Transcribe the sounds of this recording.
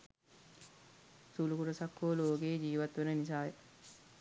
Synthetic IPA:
sulukuɾəsakʰːoːloːkejːd͡ʒiːʋat̪ʋenənis̬aːjə

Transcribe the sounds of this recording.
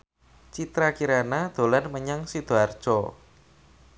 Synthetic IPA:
t͡ʃit̪ɾakiɾanad̪̥o̤lanməɲaŋsid̪̥oard̥ʒ̥ɔ

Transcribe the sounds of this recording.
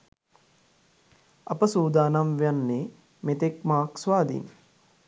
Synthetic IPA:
apəsuːd̪aːnamʋejanːeː | met̪ekmaːksʋaːd̪ḭn

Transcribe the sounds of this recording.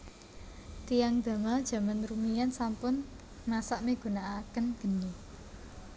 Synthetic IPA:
t̪ijaŋd̪̥ä̤mad̥ʒ̥ä̤manɾumijansampʊn | masaʔmeɡ̥ṳnaakənɡ̥əni

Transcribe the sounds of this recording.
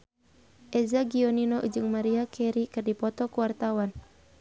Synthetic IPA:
ʔɛzaɡiɔninɔʔud͡ʒɨŋmaɾiakʰɛɾikɨrdipɔt̪ɔkuwart̪awan

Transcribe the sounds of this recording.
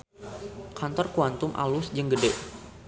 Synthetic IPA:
kant̪ɔrkuant̪ʊmʔa̰lʊsd͡ʒəŋɡədɛʔ

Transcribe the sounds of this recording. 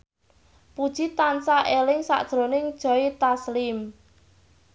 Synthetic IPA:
pud̥ʒ̥it̪ansaʔelɪŋsa̰ʔd̥ʒ̥ɾonɪŋd̥ʒ̥ɔ̤it̪aslɪm

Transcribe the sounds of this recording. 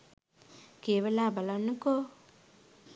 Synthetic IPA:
keːʋɐlaːbɐlanːuko

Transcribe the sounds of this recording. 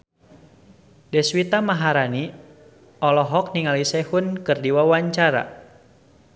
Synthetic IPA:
dɛswit̪amaɦaɾani | ɔlɔɦɔk̚niŋalisɛhunkɨrdiwawaɲt͡ʃaɾa̰

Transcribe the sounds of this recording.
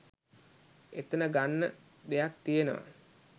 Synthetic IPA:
et̪ənəɡanːə | d̪ejak̚t̪ijenəʋa̰

